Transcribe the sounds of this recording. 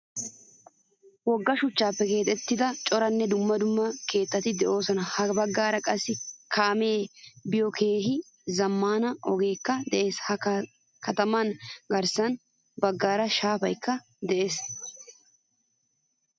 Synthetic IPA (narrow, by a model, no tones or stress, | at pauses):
wɔɡːɐʃʊt͡ʃːaːpːɛke̞ːt̪ʼɛt̪ːɪd̪ɐt͡ʃʼɔɾɐnːɛd̪ʊmːɐd̪ʊmːɐke̞ːt̪ːɐt̪ɪd̪ɛʔo̞ːsɔnɐhɐbɐɡːaːɾɐkʼɐsːɪkʰaːme̞ːbɪjɔkʰe̞ːɦɪ | zɐmːaːnɐʔɔɡeːkːɐd̪ɛʔe̞ːshɐ | kɐt̪ɐmɐnɡɐɾsɐn | bɐɡːaːɾɐʃaːfɐjkːɐ | d̪ɛʔe̞ːs